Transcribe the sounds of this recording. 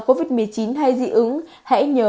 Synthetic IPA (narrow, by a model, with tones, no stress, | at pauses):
ko˧vi˨˩t̚mɨ˨˩əjt͡ɕi˨˦nha˧jzḭ˧˨ʔɨ˨˦ŋ | ha̰˧˥ɲəː˨˦